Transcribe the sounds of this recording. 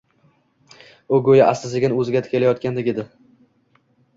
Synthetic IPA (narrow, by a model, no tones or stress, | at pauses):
ʊɡɵjaʔasɪzɪɡʲɪnɪɵzɪɡʲat̪ʰɪ̥kʰʲelajɒt̪̚kʲand̪eɡʲed̪ɪ